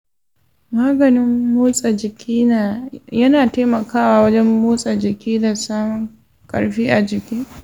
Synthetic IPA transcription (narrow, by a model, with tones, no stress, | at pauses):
maː˦ɡɐ˨nɪ˦mːoː˦sʼa˨d͡ʒɪ˨kʲʰiː˦na˨jɐ˦naː˨teː˦mɐ˨kaː˦waː˦wɐ˦d͡ʒɛ˦mːoː˦sʼa˨d͡ʒɪ˨kʲiː˦da˨saː˦mʊ˨ŋ | kʼɐ̰˨ɽɸiː˦ʔa˨d͡ʒɪ˨kʲiː˦